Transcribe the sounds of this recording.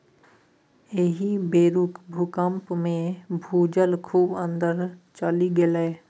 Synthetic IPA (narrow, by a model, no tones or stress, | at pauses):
eɦibeːɾukbʱukəmpmẽbʱuːd͡ʒəlkʰuːbə̃nd̪əɾt͡ʃəliɡelɛː